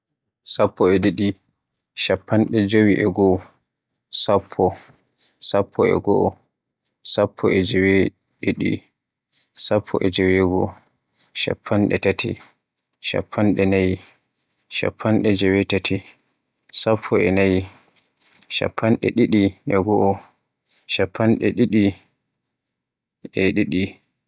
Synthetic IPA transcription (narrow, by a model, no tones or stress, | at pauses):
sapːɔɛɗiɗi | ʃapʰːanɗɛd͡ʒowiʔɛɡɔ | sapʰːɔ | sapʰːɔɛ̰ɡɔʔɔ | sapʰːɔʔɛd͡ʒɛwɛ | ɗiɗḭ | sapʰːɔ̰ʔɛd͡ʒowiɛɡɔ | ʃa̰pʰːanɗɛ̰tatʰḭ | ʃa̰pʰːanɗɛnaji | ʃa̰pʰːanɗɛd͡ʒɛwɛtatʰi | sapʰːɔɛnaji | ʃa̰pʰːanɗɛ̰ɗiɗiʔɛɡɔʔɔ | ʃapːanɗɛɗiɗi | ɛɗiɗi